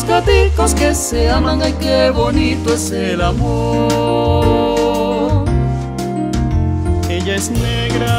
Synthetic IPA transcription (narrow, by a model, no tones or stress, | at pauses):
skat̪ikoskeseamãŋajkeβonit̪oeselamo | eʎaesneɣɾa